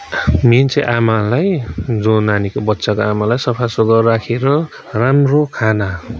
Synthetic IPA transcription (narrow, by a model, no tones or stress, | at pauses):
mint͡sʰeʔamalajd͡zonanikobʌtːsakoamalajsʌpʰasoɡʌːakʰeɾʌ | ramrokʰana